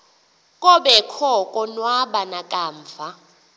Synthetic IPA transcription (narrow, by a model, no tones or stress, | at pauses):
kʼɔɓɛkʰɔkʼɔnwaɓanakʼaːɱvʱa